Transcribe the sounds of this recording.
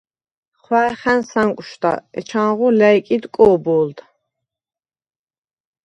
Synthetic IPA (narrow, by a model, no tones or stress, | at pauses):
χwæχænsaŋkʷʼʃd̪a̰ɛt͡ʃʰanʁulæjkʼid̪kʼɔːbɔːld̪